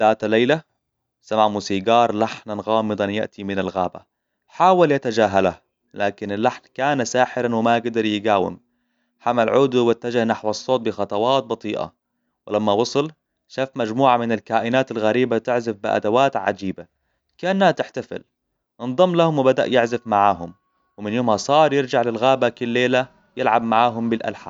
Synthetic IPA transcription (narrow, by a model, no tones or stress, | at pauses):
d̪̥aːt̪lajla | samaʕmuːsiːɡɑːɾˤlaħnanɣɑːmɨd̪ˤɑnja̰ʔt̪ʰimɪnalɣaːba̰ | ħaːwaljat̪ad͡ʒaːɦalah | laːkɪnɪlːaħnkaːnasaːħɪɾanwɪmajɪɡd̪ɑɾˤjɪɡaːwɪ̰m | ħamalʕuːd̪bat̪ːad͡ʒɪhnaħwɑsˤːoːt̪̚bɪxɑt̪ˤɑwɑːt̪̚bɑt̪ˤiːʔa̰ | wɪlamːawɑsˤɨl | ʃaːfmad͡ʒmuːʕamɪnɪlkaːʔɪnaːt̪alɣaɾiːbat̪ɪʕzɪfbɪʔa̰d̪awaːt̪ʕa̰d͡ʒiːba | kaʔanːhat̪ɪħt̪afɪ̰l | ʔɨnðˤɑmːlahʊmwɪbad̪a̰ʔjɪʕzɪfmaʕaːɦʊm | wɪmɪnjoːmhasˤɑːɾˤjɪɾd͡ʒaʕlɪlɣaːbakɪlːeːla | jɪlʕab̚maʕaːɦʊmbɪlʔa̰lħa̰